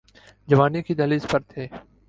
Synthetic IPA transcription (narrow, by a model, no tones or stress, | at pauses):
d͡ʒəʋaːnikʰiːd̪əliːspəɾt̪ʰeː